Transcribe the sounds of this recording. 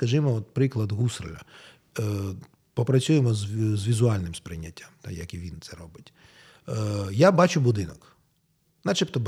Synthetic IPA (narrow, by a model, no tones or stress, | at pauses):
kɐʒɪmɔɔt̪̚pɾɪklˠɐd̪ɦusrlʲɐ̰ | pɔpɾɐt͡ssʲujemɔzzʋʲizʊɑlʲnɪmspɾɪnʲːɐtʲːamt̪a̰jɐkiʋʲint̪sɛɾɔbɪtʲ | jabɑt͡ʃʊbʊd̪ɪnɔk | nat͡ʃɛpt̪ɔb